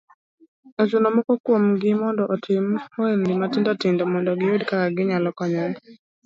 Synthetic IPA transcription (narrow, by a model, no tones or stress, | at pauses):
at͡ʃunɔmɔkɔkwomɡɪmɔndɔʔɔtʰɪmoendɪmatɪndɔtɪndɔmɔndɔɡɪwedkakaɡɪɲalɔkɔɲɔɾɛ